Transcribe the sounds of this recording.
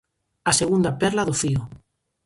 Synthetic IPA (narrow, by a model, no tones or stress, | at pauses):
aseɣund̪apɛɾlaðofio